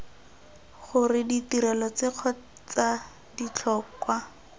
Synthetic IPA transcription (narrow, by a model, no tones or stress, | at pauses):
χʊrɪditiɾɛlɔt͡sɪq͡χʰɔ | t͡sa | dit͡ɬʰɔːkwa